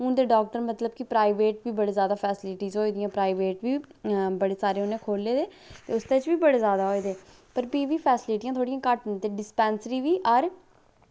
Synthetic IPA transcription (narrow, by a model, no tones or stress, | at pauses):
ʊnd̪eːɖɔːk̚ʈəɾmət̪ləbkɪpɾaːiʋeːʈ̚biːbəɽeːzjaːd̪aːpʰɛːsɪlɪʈiːzɦoːiːd̪ijãːpɾaːiʋeːʈʋiːbəɽeːsaːɾeːʊnẽːkʰoːlːeːd̪eː | t̪eːʊsd̪eːt͡ʃʋiːbəɽeːzjaːd̪aːɦoːed̪eː | pəɾpiːʋiːpʰɛːsɪlɪʈijãːt̪ʰoːɽijãːkəʈt̪eːɖɪspɛːnsɾiːʋiːʔəɾ